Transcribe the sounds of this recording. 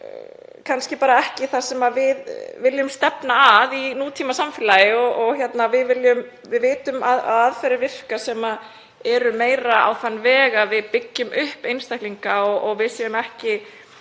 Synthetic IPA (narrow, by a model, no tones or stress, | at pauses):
kʰanscɪpaːɾaɛhcɪθasɛmavɪðvɪljʏmst̪ɛpnaːðinuːt̪ʰiːmasamfɪːlajɪɔɣʔɔɣçjɛt̪navɪðvɪljʏm | vɪðvɪːt̪ʏmaða̰ðaðfɛɾɪvɪr̥kasɛma | ɛɾʏmeːjɾaa̰wθanːvɛːɣavɪðpɪcːʏmʏhpejnst̪ajhkliŋkaɔɣʔɔɣvɪðsjɛʏmɛhcɪ